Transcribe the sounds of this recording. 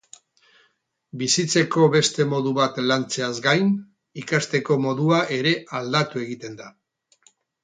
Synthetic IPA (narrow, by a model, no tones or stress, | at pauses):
bisit͡se̞ko̞βe̞st̪e̞mo̞ðuβat̪lant͡se̞azɡajn | ikast̪e̞ko̞mo̞ðuaʔe̞ɾe̞ʔald̪at̪ue̞ɣit̪e̞nd̪a